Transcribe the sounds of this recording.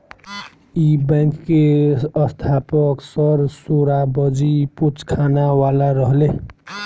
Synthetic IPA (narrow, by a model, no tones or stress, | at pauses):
ibɛ̃ŋkːeəst̪ʰapəksəɾsoɾabəd͡ʒiput͡ʃkʰanawalaɾəɦle